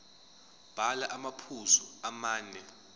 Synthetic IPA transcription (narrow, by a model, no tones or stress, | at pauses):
b̥ʱalaʔamapʰuzuamaːnɛ